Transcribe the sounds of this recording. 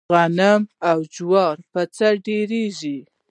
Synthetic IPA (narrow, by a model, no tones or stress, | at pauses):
ɣanamawd͡ʒwɑɾpət͡saɖeɾeʒi